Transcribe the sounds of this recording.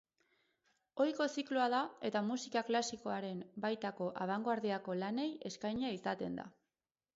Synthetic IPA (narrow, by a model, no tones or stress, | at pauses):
o̞jko̞sikluaðae̞t̪amusikaklasiko̞aɾe̞mbajt̪ako̞ʔaβ̞aŋɡoaɾðiako̞lane̞je̞skajɲaisat̪e̞nd̪a̰